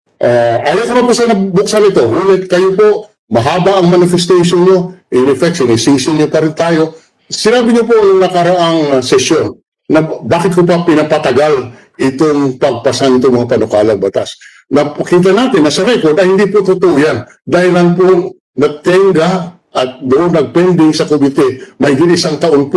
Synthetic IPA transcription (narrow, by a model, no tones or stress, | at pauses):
ʔaʔaːjokɐmɐnpusanɐbʊksanɪt̪o̞ɡuːnɛt̪̚kɐjopo̞ʔ | mɐɦaːbɐʔɐŋmɐnɪfɛst̪ɛjʃonɲo̞ʔɪnɪfɛk̚sɪnɪsiːsɪnːopɐɾɪnt̪aːjo̞ | sɪnaːbɪɲopoʔɐŋŋnɐkɐɾɐʔaŋsɛsjo̞nː | ɐbaːkɪt̪̚kop̬ɐpɪnɐpɐt̪ɐɡal | ʔɪt̪o̞ŋpɐɡ̚pɐsanɪt̪oŋmɐŋapɐnokaːlɐŋbɐt̪as | nɐpɐkiːt̪̬ɐnaːt̪ɪnːɐsɐɾɛko̞ɹd̪ɐjhɪnd̪iːpot̪ut̪ʊʔojan | d̪aːhɪlɐnpo | nɐɡ̚t̪ɛŋɡa | ʔɐt̪̚d̪ʊʔonːɐɡ̚pɛnd̪ɪŋsɐkomɪt̪ɛmɐhɪɡɪt̪ɪsaŋt̪ɐʔo̞np